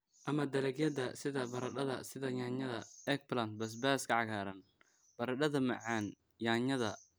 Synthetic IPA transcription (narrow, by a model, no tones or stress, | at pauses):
ʔɐmɐd̪ɐlɛɡjɐd̪ɐsɪðɐbɐɾɐɗɐðɐ̰sɪðɐjaːɲɐðɐɛk̚blant̪̚bɐs̬baːskʰɐʕɑɣaːɾɐn | b̥ɐɾɐɗɐðɐmɐ̰ʕɑːn | jaːɲɐðɐ